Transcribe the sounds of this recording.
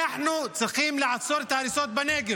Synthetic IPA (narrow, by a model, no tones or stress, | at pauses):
aħnusɑqiːmlɪʕasˤoːɾt̪aɾiːsoːt̪̚baneːɡɪ